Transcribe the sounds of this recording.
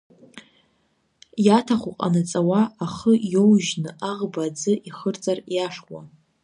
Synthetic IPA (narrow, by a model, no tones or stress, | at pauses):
jatʰaχʷuqʼa̰nat͡sʼawaaχəjowʒnɨʔaʁbad͡zɨʔiχərt͡sʼarjaʂwʷa̰